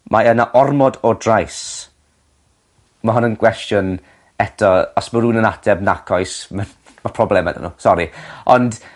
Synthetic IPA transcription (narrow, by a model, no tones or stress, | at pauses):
mʔaənaʔɔrmɔdɔdrajs | maɦʊnənɡwɛstjʊn | ɛtʰɔɔsməɾuːnənatʰɛbnakʰɔjsma | mapʰrɔblˠɛmɛ̰də̰nṵsɔɾiɔnd̥